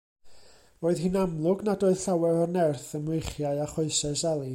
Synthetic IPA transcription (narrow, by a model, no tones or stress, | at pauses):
oːɨðɦinamlˠʊɡnadoːð̥ɬawɛvɔrnɛrθənmwejχjaɨaχoɨsɛsalˠi